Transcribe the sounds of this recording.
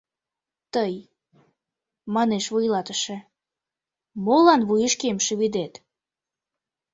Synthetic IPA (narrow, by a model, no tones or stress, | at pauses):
t̪əj | mɑneʃβujlɑt̪əʃĕ | molɑnβujəʃkemʃeβid̪et̪